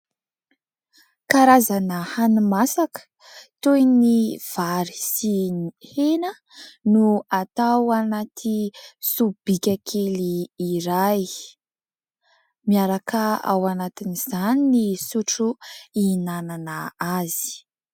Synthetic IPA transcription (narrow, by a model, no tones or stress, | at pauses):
kaɾazanəhanumasakə̥ | t̪ojniv̥aɾi̥sinihenə | nuat̪awanat̪ʰisub̥ikʲakʰeliːɾaj | miaɾakəa̰wanat̪iniz̥aninisuʈ͡ʂuinananaazi̥